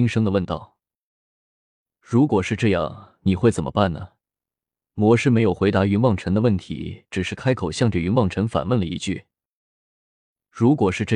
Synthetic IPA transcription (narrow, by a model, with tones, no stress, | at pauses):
i˥ŋʂɤ˥ŋd̪ə˨wə˥˧nt̪ɑ˥˩ʊ | ɻu˧˥kwɔ˨˩ʂɻ̩˥˧ʈ͡ʂɤ˥˧jɑ̰˥˩ŋni˨˩xwe˥˩ɪt͡sə˨˩nmʔə̰˦pa˥˩nnə˩ | mwɔ˧˥ʂɻ̩˥˩me˧˥ɪjo˨˩ʊxwe˧˥ɪt̪a˧˥y˧˥nwɑ˥˩ŋʈ͡ʂʰə˧˥nd̪ə˧wə˥˩nt̪ʰḭ˧˥ʈ͡ʂɻ̩˨˩ʂɻ̩˥˩kʰa˥ɪkʰo˨˩ʊɕjɑ˥˧ŋʈ͡ʂɤ˥˩y˧˥nwɑ˥˩ŋʈ͡ʂʰə˧˥nfa̰˨˩nwə˥˩nlə˩ḭ˧˥t͡ɕy̰˥˩ | ɻu˧˥kwɔ˨˩ʂɻ̩˥˧ʈ͡ʂɤ˥˧